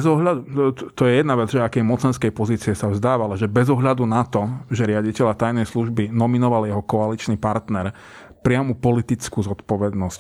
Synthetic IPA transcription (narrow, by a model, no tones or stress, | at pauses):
zɔɦʎad̪ut̪ɔjɛjɛd̪naʋɛd͡zʒɛakɛjmɔt͡sɛnskɛjpɔziːt͡siɛsavzd̪aːʋalaʒɛbɛzɔɦʎad̪unat̪ɔʒɛɾɪaɟicɛʎat̪ajnɛjsluʒbinɔminɔʋaljɛɦɔkɔalit͡ʃnipaɾt̪nɛɾ | pɾɪamupɔlit̪it͡skuːzɔt̪pɔʋɛd̪nɔsc